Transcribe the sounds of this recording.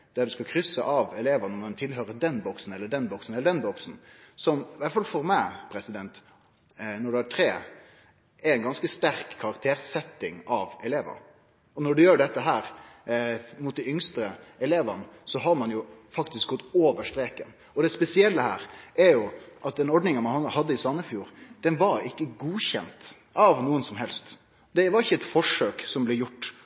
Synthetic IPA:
d̪̥æɾd̪ʉskɑkʰɾʏsːəʔɑʋɛleːʋənəmɛnt̪ʰɪlɦøːɾəd̪ɛnːbɔksn̩ɛlːəɖɛnbɔksn̩ɛləɖɛnbɔksn̩sɔmʋæʈ̪fɑlfɔɾmæɪpʰɾɛsɪd̪ɛnt̪ | nɔɖʉæʈʰɾeː | ɛɾɛnɡɑnskəst̪æɾkʰːɑɾɑkt̪ʰeːɾsɛt̪ːɪŋɑʋɛleːʋə̰ɾ | ɔnɔɖʉjøːɖɛt̪ːəɦæːɾ | mʊt̪̚d̪ɪʏŋst̪ɾəɛleːʋənəsɔɦɑɾmɑnjʊfɑkt̪ɪsk̚ɡɔt̪ːoːʋəʂʈɾeːkən | ɔd̪ɛspɛsɪɛlːəhæ̰ːɾʔɛɾjʊʔɑt̪̚d̪ɛnɔɖnɪŋɑmɑnhhɑd̪ːəɪsɑnːəfjuːɾd̪̥ɛnʋɑɾɪkːəɡuːçɛ̰nt̪ | ɑʋnuːənsɔmɦɛlst̪ | d̪ɛʋɑɾɪçːəɛt̪fɔʂøːksɔmblɛjʊʈː

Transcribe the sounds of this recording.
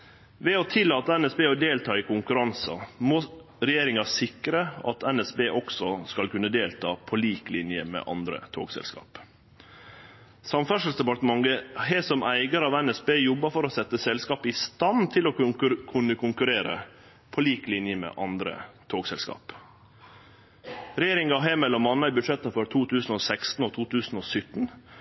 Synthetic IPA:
ʋɛɔt̪ʰɪlːɑːt̪əɛnɛsbeːɔd̪eːlt̪ʰɑːɪkʰʊŋkʉɾɑnsɑ̰moː | ɾɛjeːɾɪŋɑsɪkɾəɑ̰t̪ɛnɛsbeːʔɔksɔskɑlkʉnːəd̪eːlt̪ʰɑ̰ːpʰɔliːklɪnjəmɛ̰ʔɑ̰nd̪ɾə̰t̪ʰo̰ːɡsɛ̰lskɑ̰ːp | sɑmfœʂəlsd̪ɛpɑt̪əmɑŋəɦesɔmæɪɡəɾɑʋɛnɛsbeːjɔbːəɾfɔɾɔsɛt̪ːəsɛlskɑːpəɪst̪ɑnt̪ʰɪlokʰʉnːəkʰʊŋkʉɾeːɾə̰ | pʰɔliːklɪnjəmɛ̰ːʔɑnd̪ɾə̰t̪ʰoːɡsɛlskɑ̰ːp | ɾɛjeːɾɪŋɑɦeːmɛlːɔmɑnəbʉʂɛt̪ːəfɔɾt̪ʰuːt̪ʰʉːsnoːsɛkst̪n̩ɔːt̪ʰuːt̪ʰʉːsn̩oːsʏt̪n̩

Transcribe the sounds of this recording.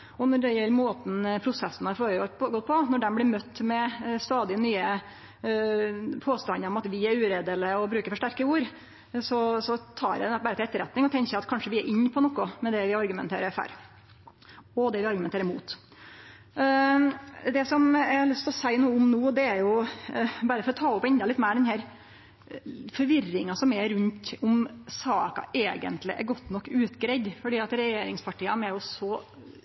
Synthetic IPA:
ɔnɔɖɛjɛlːɾmoːt̪n̩pʰɾʊsɛsnæɾfoːɾəɡɔɡɔt̪̚ːpʰɔnɔɖɛnblɪɾmœt̪ːmɛst̪ɑːd̪ɪnyːə | pʰoːst̪ɑnːəɾɔmɑt̪ʋɪæɾʉːɾeːd̪ələɔbɾʉːkəɾfɔʂʈæɾkəuːɾ | sɔsɔt̪ʰɑ̰ːɾɛɛbæɾət̪ɪlɛt̪ːəɾɛt̪nɪŋɔt̪ʰɛŋçəɑt̪kʰɑnʂəʋɪɛɾʔɪɲːpʰɔnɔkːʊmɛd̪ɛʋɪɑɾɡʉmɛ̰nt̪ʰḛːɾəɾfæ̰ɾ | ɔd̪ɛʋɪɑɾɡʉmɛnt̪ʰeːɾmṵːt̪ | d̪ɛsɔmɛɾlʉst̪ʰlɔsæɪnuːəʊmnuːd̪ɛæɾjʊ | bɑɾəfɔɾɔt̪ʰɑːʊpːɛnd̪ɑlɪt̪ːmæɪɖɛnɦæːɾ | fɔɾʋɪrːɪŋɑsɔmɛɾʉnt̪ʊmsɑːkɑ̰ʔeːɡə̰nt̪lɪ̰ʔɛ̰ɾɡɔt̪ːnɔkːʉːt̪ɡɾɛɪd̪fɔɖiːɑt̪ɾɛjeːɾɪŋspʰɑʈiːɑnɛɾjʊsɔ

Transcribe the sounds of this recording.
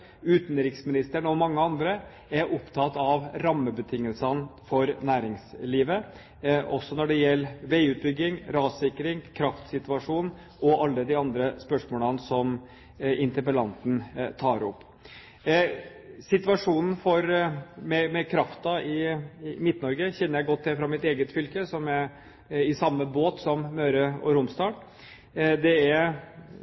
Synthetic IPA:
ʉːt̪nɾɪksmɪnɪst̪əɳɔmɑŋːəɑnd̪ɾə | æɾʔɔpt̪ʰɑt̪ɑʋɾɑmːəbət̪ʰɪŋːəlsənfɔɾnæːɾɪŋsliːʋə | ʔɔsːɔnɔɖɛjɛlːʋæɪʉːt̪̚bʏɡːɪŋɾɑːsɪkːɾɪŋkʰɾɑft̪sɪt̪ʋɑʂuːn | ʔɔʔɑlːəd̪ɪɑnd̪ɾəspœʂmoːlənsɔm | ʔɪnt̪əɾpəlɑnt̪nt̪ʰɑːɾɔ̰pː | sɪt̪ʋɑʂuːnn̩fɔɾmɛmɛkʰɾɑft̪ɑɪmɪt̪nɔɾɡəçɛnːəɾjæɪɡɔt̪ːɪfɾɑmɪt̪eːɡət̪fʏlkəsɔmæ | ɪsɑmːəboːt̪sɔmmøːɾəɔ̰ɾʊmsd̪ɑː | d̪ɛæɾ

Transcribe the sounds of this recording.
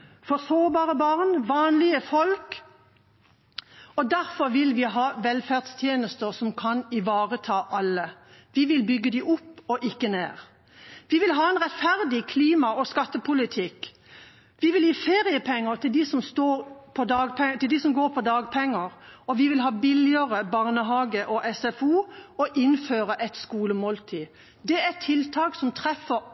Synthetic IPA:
fɔʁsoːbɑːʁəbɑʁnʋɑːnlɪəfɔlk | ɔd̪æɾfɔɾʋɪlʋɪɦɑːʋɛlfæʁd̪st̪ʰjeːnəst̪əɾsɔmkʰɑnɪʋɑːʁət̪ʰɑːʔɑlːəʋɪʋɪlbʏɡːəd̪iʔʊpːɔʔɪkːənḛːʁ | ʋɪʋɪlɦɑːɛnʁɛt̪fæʁd̪ɪkʰliːmɑʔɔskɑt̪ːəpʊlɪt̪ʰɪk | ʋɪʋɪljiːfeːʁɪəpʰɛŋːəʁt̪ʰɪld̪isɔmst̪oːɾpʰɔd̪ɑːɡpɛt̪ɪld̪isɔmɡoːɾpʰɔd̪ɑːɡpʰɛŋːəʁɔʋɪʋɪlɦɑːbɪlɪəʁəbɑʁnəɦɑːɡəʔɔʔɛsɛfuːɔʔɪnføːʁəʔɛt̪skuːləmoːlt̪ʰiː | d̪ɛɛt̪ʰːɪlt̪ʰɑːksɔmt̪ʰʁɛfə

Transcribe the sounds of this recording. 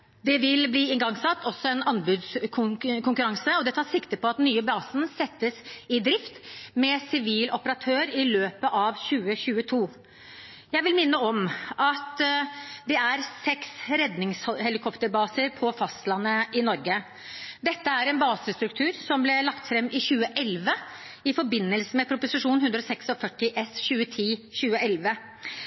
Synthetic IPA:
d̪ɛʋɪlbliːɪŋɡɑŋsɑt̪ːɔsːɔɛnɑnbʉd̪skʰʊkʰʊŋkʉɾɑŋsəɔd̪ɛt̪ʰɑːʂɪkt̪əpʰɔɑt̪nyːəbɑːsnsɛt̪ːəsɪd̪ɾɪft̪mɛsɪʋiːlʔɔpəɾɑt̪ʰøːɾɪløːpəʔɑʋçʉːəçʉːət̪ʰuː | jæɪʋɪlmɪnːəɔmɑt̪ | d̪ɛæɾsɛksɾɛd̪nɪŋshɛlɪkʰɔpt̪əɾbɑːsəɾpʰɔfɑst̪lɑnːəɪnɔɾɡə | d̪ɛt̪ːəæɾɛnbɑːsəst̪ɾʉkt̪ʰʉːɾsɔmblɛlɑkt̪fɾɛmːʔɪçʉːəʔɛlʋə | ɪfɔɾbɪnːəlsəmɛpʰɾʊpʊsɪʂuːnhʉnd̪ɾɔsɛksɔfœʈːɪʔɛsçʉːət̪ʰiːçʉːəʔɛlʋə

